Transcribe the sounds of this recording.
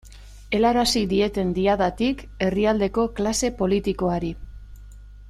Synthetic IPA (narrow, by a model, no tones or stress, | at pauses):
e̞laɾasid̪ie̞t̪e̞nd̪iaðat̪ik | e̞riald̪e̞ko̞klase̞po̞lit̪iko̞aɾi